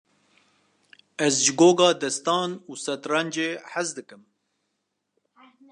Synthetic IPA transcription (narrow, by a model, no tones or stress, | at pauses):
ɛzʒɪɡoːɡɑːd̪ɛst̪ɑːnuːsɛt̪rɛnd͡ʒeːħazd̪ɨkɨm